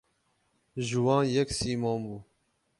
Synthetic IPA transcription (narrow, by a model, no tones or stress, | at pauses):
ʒuwɑ̃ːnjɛksiːmɔ̃ːnbuː